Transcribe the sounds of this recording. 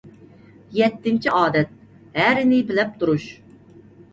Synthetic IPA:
jɛt̪ːɪmt͡ʃʰiʔɑːd̪ɛt̪̚ | hæɾɪnɪbɪlɛp̚t̪ʰuɾuʃ

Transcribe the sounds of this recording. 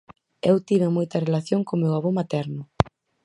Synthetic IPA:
ewt̪iβemojt̪ɐrelaθjoŋkomewaβomat̪ɛɾnʊ

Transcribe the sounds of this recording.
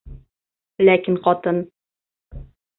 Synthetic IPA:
lækinqɒt̪ɤn

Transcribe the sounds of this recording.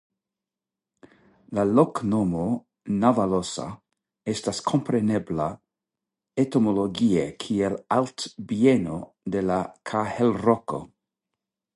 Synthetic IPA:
laloknomo | navalosa̰ | estaskʰompɾenebla | et̪omoloɡiekʰielalt̪bieno | d̪elakʰahelroko̰

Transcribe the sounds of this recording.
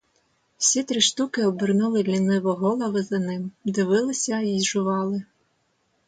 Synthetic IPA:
w̥sʲit̪ɾɪʃt̪ukɪɔbɪrnulˠɪlʲinɪʋɔɦɔlˠɐʋɪzɐnɪmd̪ɪʋɪlˠɪsʲɐiʒʊʋɑlˠɪ

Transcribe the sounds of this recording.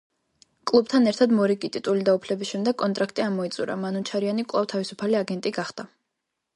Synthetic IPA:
kʼlˠub̚t̪ʰanɛɾt̪ʰad̪mɔɾikʼit̪ʼit̪ʼulid̪aupʰlɛbisʃɛmd̪ɛɡkʼɔnt̪ʼɾakʰt̪ʼiamɔit̪sʼuɾa̰manut͡ʃʰaɾianikʼlˠavt̪ʰavisupʰaliaɡɛnt̪ʼiɡaχd̪̥a

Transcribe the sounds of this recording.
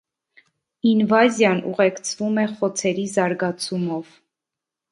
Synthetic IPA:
invɑzjɑnṵʁɛkt͡sʰvumɛχɔt͡sʰɛɾizɑɾɡɑt͡sʰumɔv̥

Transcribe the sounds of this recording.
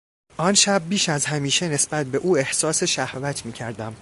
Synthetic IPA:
ʔɒnʃæb̚ːiːʃæzɦæmiːʃe̞ne̞sbæt̪̚ʰbe̞ʔuːe̞hsɒːseʃæhvæt̪ʰmiːcʰæɾd̪æm

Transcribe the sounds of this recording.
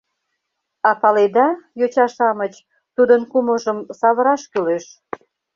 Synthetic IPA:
ɑpɑled̪ɑjot͡ɕɑʃɑmət͡ɕ | t̪ud̪ənkuməʒəmsɑβəɾɑʃkyleʃ

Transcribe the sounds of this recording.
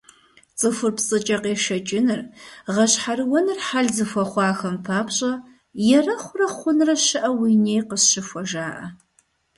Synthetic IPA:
t͡sʼɨfʊrpsʼɨt͡ʃʼɐqeːʃɐt͡ʃʼɪnɨrʁɐɕħaɾɨwɔnɨrħaɮzɨfʷɔχʷɑːxɐmpʰaːpɕʼɐ | jɛrɐχʷʊrɐχʷʊnrɐʃɐʔɐwiːneːjqəsɕɪfʷɔʒaːʔɐ̰

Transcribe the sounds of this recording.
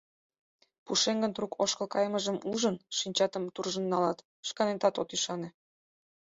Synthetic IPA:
puʃeŋɡənt̪ɾukʰoʃkəlˠkɑjməʒə̆muʒənʃinʲt͡ɕɑt̪ə̆mt̪urʒənːɑlɑt̪ | ʃkɑnet̪ɑt̪ot̪yʃɑne

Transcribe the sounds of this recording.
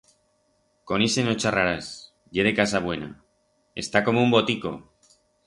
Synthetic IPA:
ko̞nise̞no̞t͡ʃaraɾas | ʝe̞ðe̞kasaβ̞we̞na̰ | e̞̰st̪ako̞moumbo̞t̪iko̞̰

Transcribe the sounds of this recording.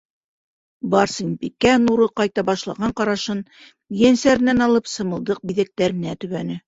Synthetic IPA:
bɑɾsɤnpikːænuɾɤqɑjt̪ɑbɑʃlˠɑ̰ʁɑɴqɑɾɑʃɤn | jænsæɾɘ̆nænɑlˠɤpsɤ̆mɤ̆lˠd̪ɤq̚biðæk̚t̪æɾɘ̆næt̪ʉ̆βænɘ

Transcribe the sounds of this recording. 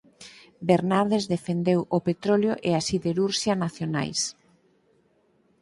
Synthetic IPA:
beɾnaɾðezðefend̪ewʔopet̪ɾoljoʔeasiðeɾuɾʃjanaθjona̰js

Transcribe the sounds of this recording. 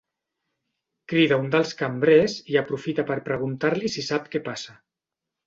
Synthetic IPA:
kɾiðaund̪əlˠskambɾeziəpɾufit̪apəɾpɾəɣ̞unt̪aɾlisisap̚kɛpasa

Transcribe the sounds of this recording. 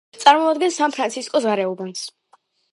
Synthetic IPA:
t̪sʼaɾmɔad̪ɡɛnsanpʰɾant̪sʰiskʼɔsʁaɾɛɔbans

